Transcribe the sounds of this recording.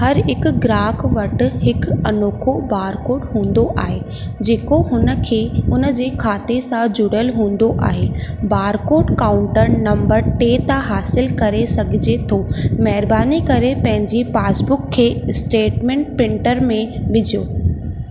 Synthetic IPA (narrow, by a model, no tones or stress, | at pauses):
hɐɾɪkɡɾaːkʋɐʈhɪkɐnoːkʰobaːɾkoːʈɦũːn̆d̪oʔaːɦeː | d͡ʑeːkoɦʊnə̆kʰeːʊnə̆d͡ʑeːkʰaːt̪esãd͡ʑʊɽəlɦũːn̆d̪oʔa̰ːɦeːbaːɾkoːʈkaːʊ̃ɳʈəɾnɐ̃mbəɾʈeːt̪ãɦaːsɪlkɐɾesɐɡʱɪd͡ʑet̪ʰoːmɐɦɪɾbaːnikɐɾepɐ̃ɦɪ̃ɲd͡ʑipaːsbʊkʰːeːsʈeːʈmẽɳʈ̚pɪ̃ɳʈəɾmẽʋɪd͡ʑʱijoː